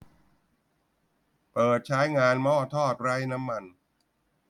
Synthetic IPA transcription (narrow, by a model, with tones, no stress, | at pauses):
pɤː˨˩t̪̚t͡ɕʰa˦˥jŋaː˧nmɔː˥˩t̪ʰɔː˥˩t̪̚ɾa˦˥jna˦˥mːa˧n